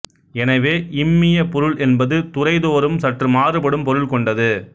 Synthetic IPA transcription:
ɛnɐʋeːʔɪmːɪjɐpɔɾɯɭʔɛnbɐðɯt̪ʊrɐɪðoːɾɯmsɐʈrɯmaːrɯpɐɽɯmpɔɾɯɭkɔɳɖɐðɯ

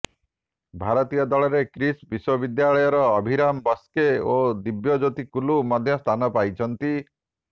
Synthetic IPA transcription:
bʱaɾɔt̪ijɔd̪ɔɭɔɾekɾisbiswɔbid̪jaɭɔjɔɾɔːbʱiɾambɔskeod̪ibjɔd͡ʒot̪ikulumɔd̪ʱjɔst̪ʰanɔpajt͡ʃʰɔnt̪i

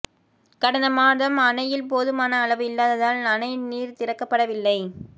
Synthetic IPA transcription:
kɐɽɐnd̪ɐmaːðɐmɐnɐjɪlpoːðɯmaːnɐːɭɐʋɯɪlːaːðɐðaːlnɐnɐɪniːɾt̪ɪɾɐkːɐpːɐɽɐʋɪlːɐɪ

